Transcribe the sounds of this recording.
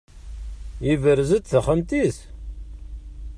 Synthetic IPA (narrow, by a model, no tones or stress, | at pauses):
ivəɾzət͡s̪θəχənt̪iθ